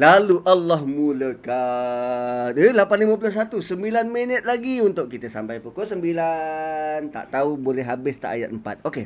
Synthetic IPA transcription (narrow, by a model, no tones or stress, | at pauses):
laluʔalːɔhmuləka | nəlapanliməp̬ulas̬at̪usəmbilanmənət̪̚laɡiunt̪ʊʔ̚kit̪əsa̰mpajpukoʔsəmbila | nt̪a̰ʔt̪aubolɛɦɦabɪst̪a̰ʔa̰ja̰t̪̚əmpa̰t̪̚oke